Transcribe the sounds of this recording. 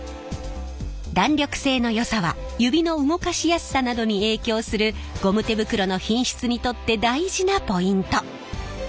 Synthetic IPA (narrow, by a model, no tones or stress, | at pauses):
d̪ãnɾʲo̞kɯ̟̥se̞ːno̞jo̞saβa̰ | jɯ̟bʲino̞ɯ̟ŋo̞kaɕijasi̥sanad̪o̞ɲ̟ie̞ːkʲo̞ːsɨɾɯ̟ɡ̥o̞mɯ̟t̪e̞bɯ̟kɯ̟ɾo̞no̞çĩɰ̃ɕi̥t͡sɨɲ̟it̪o̞t̪ːe̞d̪aiʑinapo̞ĩnt̪o̞